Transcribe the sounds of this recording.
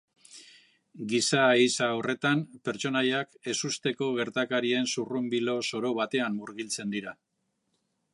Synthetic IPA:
ɡisaisaore̞t̪ampe̞ɾt͡ʃo̞najake̞sust̪e̞ko̞ɣ̞e̞ɾt̪akaɾie̞nsurumbilo̞so̞ɾo̞βat̪e̞amːuɾɣilt͡se̞nd̪iɾa

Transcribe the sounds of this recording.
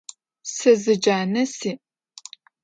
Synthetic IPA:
sɨzɨd͡ʒaːnɐsiː

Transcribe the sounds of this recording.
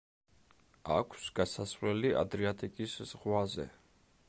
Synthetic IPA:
a̰kʷʰsɡasasvlɛliʔa̰d̪ɾiat̪ʼikʼisz̥ʁwazɛ̰

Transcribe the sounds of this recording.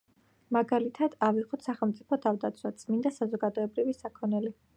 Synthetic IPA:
maɡalit̪ʰad̪̥aviʁɔt̪saχɛlˠmt̪sʼipʰɔt̪ʰavd̪at̪sʰwat̪sʼmind̪asazɔɡad̪ɔɛbɾivisakʰɔnɛli

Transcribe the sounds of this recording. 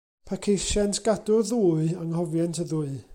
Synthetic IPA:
pʰakʰejʃɛntʰɡ̥adʊrðuːɨaŋhɔvjɛntʰəðuːɨ

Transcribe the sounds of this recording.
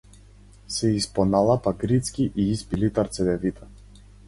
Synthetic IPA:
sɛispɔnalˠapaɡɾit̪skʲiʔiispilit̪aɾt̪sɛd̪ɛvit̪ʰḁ

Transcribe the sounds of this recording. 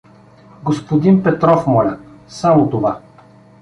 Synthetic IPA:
ɡospod̪inpɛt̪ɾɔfmɔlʲə | samot̪ova

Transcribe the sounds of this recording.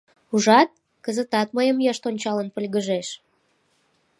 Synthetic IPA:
uʒɑt̪̚ | kəzət̪ɑt̪̚məjəmjɑʃt̪onʲt͡ɕɑlənpə̆lʲɣəʒeʃ

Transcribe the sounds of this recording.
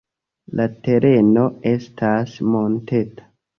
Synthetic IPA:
late̞ɾe̞no̞e̞stʰasmo̞ntetḁ

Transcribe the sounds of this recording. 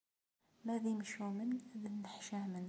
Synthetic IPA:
mæðiməʃumənðnːəħʃahmən

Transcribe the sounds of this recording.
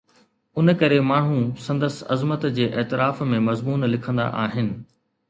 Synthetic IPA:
ʊnkɐɾemaːɳ̤ũsɐ̃nd̪əsɐ̰zmət̪d͡ʑeːʔeːt̪ɪɾaːfmẽmɐzmuːnlɪkʰə̃nd̪a̰ʔaːɦɪnɪ̆

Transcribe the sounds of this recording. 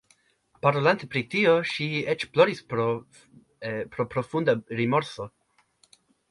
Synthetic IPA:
paɾolant̪epɾitio̞ʃiet͡ʃploɾis | pɾopɾo̞fund̪aɾimo̞ɾso̞

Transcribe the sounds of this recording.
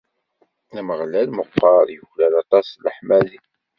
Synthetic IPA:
æməʁlælməqːɑɾˤjəçlælɑt̪ˤɑsləħmæli

